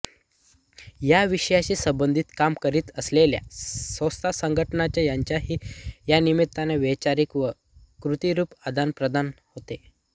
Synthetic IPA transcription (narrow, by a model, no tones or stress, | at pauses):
jaʋiɕəjaɕiːsəmbənd̪ʱiːt̪kamkəɾiːt̪əslelja̰səst̪ʰasəŋɡʱəʈnat͡ɕjajaɲt͡ɕjaɦiːjanimit̪̚t̪ːanaʋet͡ɕaɾikʋə | kɾut̪iɾuːpad̪ʱanpɾəd̪anhot̪e